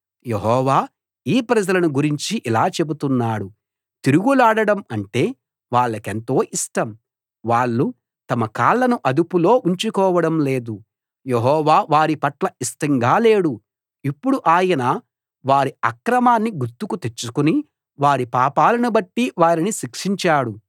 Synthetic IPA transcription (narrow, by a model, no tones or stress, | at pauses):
jeɦɔːʋaː | iːpɾɐd͡ʒɐlɐnuɡuɾiɲt͡ʃiʔilaːt͡ʃe̞but̪unːaːɽu | t̪iɾuɡulaːɽɐɽɐmɐɳʈe̞ː | ʋaːɭːɐke̞nt̪o̞ːʔisʈɐm | ʋaːɭːu | t̪ɐmɐkaːɭːɐnuʔɐd̪upulo̞ːʔuɲt͡ʃukɔːʋɐɽɐmle̞ːd̪u | jeɦɔːʋaːʋaːɾipɐʈlɐisʈɐŋɡaːle̞ːɽu | ipːuɽuʔaːjɐna | ʋaːɾiɐkɾɐmaːnːiɡuɾt̪ːukut̪e̞t͡ʃːukuni | ʋaːɾipaːpaːlɐnubɐʈːiʋaːɾiniʃikʂiɲt͡ʃaːɽu